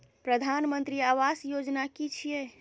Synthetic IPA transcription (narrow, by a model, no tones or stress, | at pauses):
pɾəd̪ʱanmənt̪ɾiaʋasjod͡ʒnakit͡ʃʰije